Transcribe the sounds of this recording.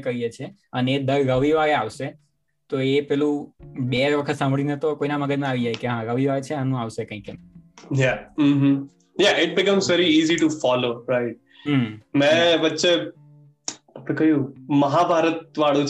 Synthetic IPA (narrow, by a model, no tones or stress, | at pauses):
kəijet͡ʃʰe | əned̪əɾɾəʋiʋaɾeaʋʃe | t̪oepɛlũbeʋəkʰət̪sãmbɭinet̪okoinaməɡəd͡ʒnə̃aʋid͡ʒajkeɦãɾəʋiʋaɾt͡ʃʰeanũaʋʃekə̃ĩkenjaɦ̩ɦ | jaʔɪʈ̚bɪkə̃mzʋɛɾiiːziʈufɔloɾaɪʈ̚ | ɦmɛ̃ʋətːʃe | əpekəɦjũməɦabʱaɾət̪̚ʋaɽũt͡ʃ